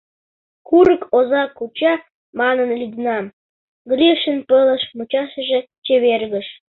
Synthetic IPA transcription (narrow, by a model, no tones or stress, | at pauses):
kuɾə̆kʰozɑkːut͡ɕɑ | mɑnənlid̪nɑm | ɡlʲiʃə̆npələ̆ʃmut͡ɕɑʃə̆ʒĕ | t͡ɕeβerɣə̆ʃ